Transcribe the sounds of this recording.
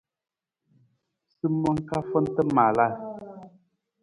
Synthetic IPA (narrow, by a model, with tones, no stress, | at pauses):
sɨ˦mɔ˦ŋ̩˦ka˦fɔ˦n̩˦tə˦ma˨la˦˨